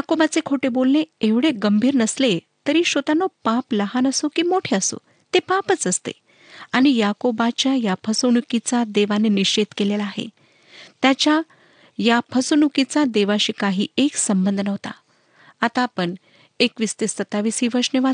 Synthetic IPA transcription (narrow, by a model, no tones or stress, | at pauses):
jakobat͡sekʰoʈebolneeʋɽeɡəmbʱiːɾnəsle | t̪əɾiːɕot̪anopapləɦanəsokiːmoʈʰeəso̰ | t̪epapət͡səst̪ḛ | aɽ̃ijakobat͡ɕjajapʰəsonukit͡sad̪eʋaneniɕed̪kelelaːɦḛ | t̪jat͡ɕja | japʰəsonukit͡sad̪eʋaɕiːkaɦḭːeksəmbənd̪ʱənəʋt̪a̰ | at̪aːpəɳ | ekʋist̪isət̪aʋisiːʋəɾʂneʋa